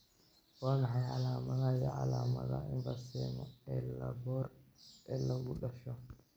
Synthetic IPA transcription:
waːnɐħɑjʕɑlaːmɐðajɔʕɑ̰laːmɐ̰ðɐɪɱbɐsɛmɔɛːlɐbɔːrɛːlɐɣʊɖɐʃɔ

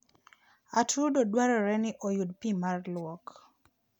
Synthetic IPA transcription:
atʰudodwaɾɔɾɛnɪʔojud̚pimarlwɔk

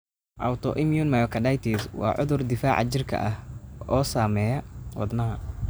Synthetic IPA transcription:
ʔɐwt̪ʰɔ̰ʔɪmjunmɐjɔkʰɐɖɐjt̪ʰiswɑ̰ːʕʊ̰ðʊrd̪ɪfaːʕɑ̰t͡ʃɪrkʰɐ̰ʔɐhɔːsaːmɛːjɐwɑ̰d̪nɐɦɐ

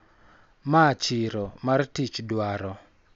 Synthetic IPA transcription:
mat͡ʃɪɾɔmartit͡ʃdwaɾɔ

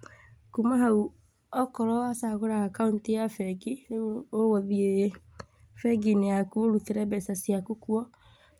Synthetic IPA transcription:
kumaɦau | ɔkɔɾɔasaɣoɾaːkauntijafɛɡiowoðie | fɛɡinɛakuoɾukeɾɛbɛsasiakukuɔ

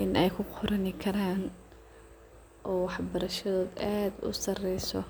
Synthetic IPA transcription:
ʔɪnɛjkʰʊqʰʊɾɐnɪkʰɐɾaːn | ʔɔːwɑħbɐɾɐʃɐðɔːd̪aːd̪ʊ̰sɐrɛjsɔ

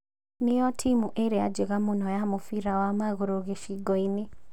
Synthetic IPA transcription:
nijɔtʰimuʔeɾead͡ʒeɣamonɔjamofiɾawamaɣoɾoɣeʃiɡɔine

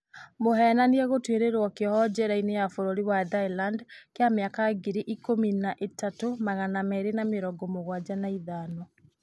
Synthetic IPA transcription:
moɦɛːnaniɛɣotweɾeɾwɔkehɔd͡ʑɛɾainejafoɾoɾiwaðailandkeameakaɣiɾiʔikominaʔetatomaɣanamɛɾenameɾɔɡɔmoɣwad͡ʑanaiðaːnɔ

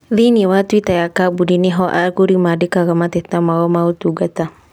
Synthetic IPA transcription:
ðiniwat̪it̪ajakabudiniɦɔʔa̰kuɾimadikaɣamat̪ɛt̪amaɣɔmaut̪uɡat̪a

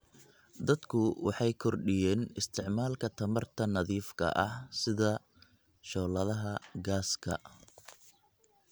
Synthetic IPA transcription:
d̪ɐd̪kʰʊwɑħɑjkʰɔrɖɪjɛːnɪst̪ʰɪʕmaːlkʰɐt̪ʰɐmɐrt̪ʰɐnɐðiːfkʰɐ̰ʔɐhsɪðɐ | ʃɔːlɐðɐɦɐɡaːskʰɐ̰

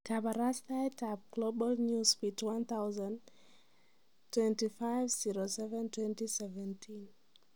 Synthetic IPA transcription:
kʰabaɹastaɪtʰavɡ̥lobəlnjuspitwãnθaʊzãn | tʰːwɛ̃ntifaɪvziɹosɛvɛ̃ntwɛ̃ntisɛvɛ̃ntʰĩn

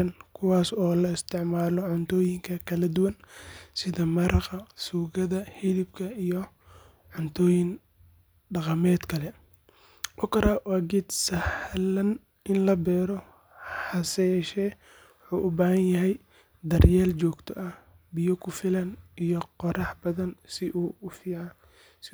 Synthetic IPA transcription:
ɐnkʰʊwɑːsɔːlɐɪst̪ʰɪʕmaːlɔʕʊnt̪ʰɔːjɪŋkʰɐkʰɐlɐd̪ʊwɐnsɪðɐmɐɾɐqɑsuːɣɐðɐhɪlɪbkʰɐijɔ | ʕʊnt̪ʰɔːjɪn | ɖɑqɑmɛːd̪kʰɐlɛ | ʔɔkʰɐɾawaːɡid̪sɐħlɐn | ɪnlɐbɛːɾɔ | ħɑsɛjɛːʃɛː | wʊħuːʔʊbaːhɐnjɐɦɛj | d̪ɐrjɛːlt͡ʃɔːɡt̪ʰɔ̰ʔɐh | bɪjɔkʰʊfɪlɐnijɔqɔɾɑħbɐðɐnsɪʔuːʊfiːʕɑn | s

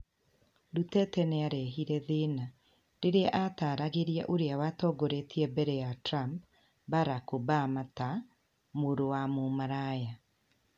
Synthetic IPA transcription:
ɾutɛtɛnɛaɾɛɦiɾɛðena | ɾeɾeaʔataːɾaɣeɾia̰ʔoɾeawatɔːɡoɾetiɛbɛɾɛjatɾamp | baɾakobamata | moɾowamomaɾaja

